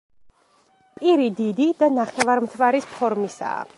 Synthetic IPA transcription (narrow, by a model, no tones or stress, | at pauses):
pʼiɾid̪id̪id̪anaχɛvaɾmt̪ʰvaɾispʰɔɾmisa̰ː